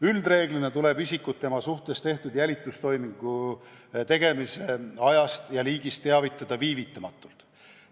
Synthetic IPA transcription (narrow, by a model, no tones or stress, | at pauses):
yld̪re̞ːɡ̥line̞t̪ule̞bisikːˑut̪ːe̞mɑsuht̪e̞st̪e̞ht̪ud̪̥jælʲit̪ːˑust̪o̞jmiŋɡ̥u | t̪e̞ɡ̥e̞miseɑjɑst̪jɑliːɡ̥ist̪ːe̞ɑvit̪ːˑɑd̪̥ɑviːvit̪ːˑɑmɑt̪ːˑult̪ˑ